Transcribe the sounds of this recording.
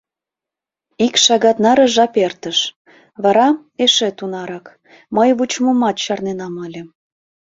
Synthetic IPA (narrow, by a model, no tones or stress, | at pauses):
ikʃɑɣɑt̪nɑɾə̆ʒɑpert̪əʃ | βɑɾɑ | eʃet̪unɑɾɑk | məjβut͡ɕməmɑt̪ɕɑrnenɑməlʲĕ